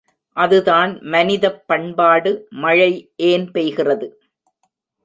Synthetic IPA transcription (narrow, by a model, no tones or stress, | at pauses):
ʔɐðɯðaːnmɐnɪðɐpːɐɳbaːɽɯmɐɻɐɪʔeːnpɛjɣɪrɐðɯ